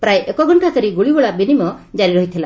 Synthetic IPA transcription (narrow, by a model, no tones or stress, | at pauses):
pɾajʔekɔɡʱɔɳʈak̪əɾiɡuɭibɔɭabinimɔd͡ʒaɾiɾɔɦit̪ʰila